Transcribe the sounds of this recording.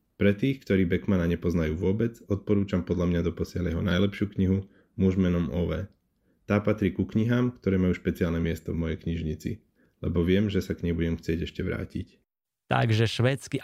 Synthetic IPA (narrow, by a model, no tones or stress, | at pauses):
pɾɛt̪iːxkt̪ɔɾiːbɛkmanaɲɛpɔznajuːʋʊɔbɛd͡zɔt̪̚pɔɾuːt͡ʃampɔd̪lʎamɲad̪ɔpɔsɪalajɛɦɔnajlɛpʃɪuːkɲiɦu | muʒmɛnɔmɔʋɛː | t̪aːpat̪ɾiːkukɲiɦaːmkt̪ɔɾɛːmajuːʃpɛt͡sɪaːlnɛmɪɛst̪ɔvmɔjɛjkɲiʒɲit͡sḭ | lɛ̰bɔʋɪɛmʒɛsakɲɛbuɟɛmxt͡sɪɛɟɛʃcɛʋɾa̰ːcḭc | t̪a̰ɡʒɛʃʋɛt͡ski